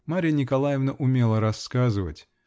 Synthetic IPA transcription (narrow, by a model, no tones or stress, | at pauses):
maɾʲɪjənʲɪkɐlˠajɪvnəʔʊmʲe̞lˠəɾɐskazɨvə̰tʲ